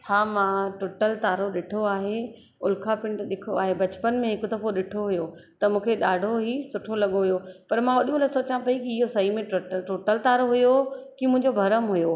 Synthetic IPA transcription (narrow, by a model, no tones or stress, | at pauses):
haːmãːʈoːʈəlt̪aːɾoɗɪʈʰoaːɦe | ʊlkʰapɪ̃ɳʈɗɪkʰoaːɦebɐt͡ɕpənmẽɦɪkd̪ɐfoɗɪʈʰoɦʊjo | t̪ɐmũːkʰeɗaːɖʱoɦisʊʈʰolɐɠoɦʊjopɐɾmãʋɐɗijõlɐsoːt͡ɕãpɐikiɪɦosɐimẽʈoəʈoːʈəlt̪aːɾoɦʊjokimʊ̃ɦɪ̃ɲd͡ʑobʱɐɾəmɦʊjo